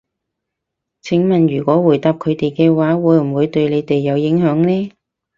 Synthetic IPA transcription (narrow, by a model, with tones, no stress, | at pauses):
t͡sʰɪ˨˥ŋmɐ˨nɥyː˨˩kʷɔː˨˥wuː˨˩jt̪aː˨˧p̚kʰɵ˨˧ɥt̪e˨jkɛː˧waː˨˥wuː˨˧jm̩˨˩wuː˨˧jt̪ɵ˧ɥle˨˧jt̪e˨jːɐ˨˧wjɪ˨˥ŋhœː˨˥ŋlɛː˥